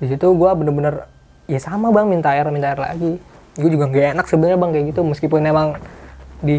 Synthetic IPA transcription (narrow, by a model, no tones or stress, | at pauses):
dis̬it̪uɡuabənərbənər | jasamabaŋmint̪aarmint̪ajɛrla̰ɡi | ɡuad͡ʒuɡaŋɡaenak̚səbənrɲabaŋkajaɡit̪uməskipʊnemaŋ | di